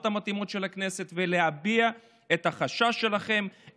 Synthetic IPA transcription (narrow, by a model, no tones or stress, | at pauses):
t̪hamat̪imo̞t̪ʃe̞lakne̞se̞t̪vele̞ɦabia | e̞t̪haχaʃaʃe̞laχe̞m